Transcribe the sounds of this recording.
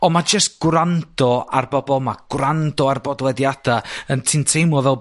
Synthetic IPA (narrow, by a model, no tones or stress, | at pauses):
ɔmad͡ʒəst̚ɡ̥wrand̥ɔa̰rbɔbɔlˠmaɡ̥wrandɔarbɔdlˠɛdjadaəntʰɪntʰejmɔvɛlˠ